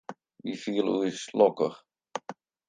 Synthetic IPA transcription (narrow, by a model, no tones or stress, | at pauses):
ʋifiəlˠujslɔkəχ